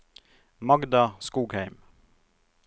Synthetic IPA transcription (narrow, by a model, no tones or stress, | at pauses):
mɑɡd̪ɑskuːɡhæɪm